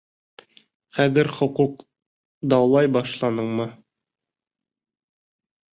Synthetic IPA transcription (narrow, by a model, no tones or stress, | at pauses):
χæðɘɾχŏquq | d̪ɑwlˠɑjbɑʃlˠɑnɤɴmɤ